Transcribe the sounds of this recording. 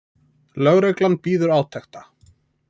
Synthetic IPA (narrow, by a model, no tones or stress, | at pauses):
lœɣɾejklanpiːðʏɾaːwt̪ʰɛxt̪a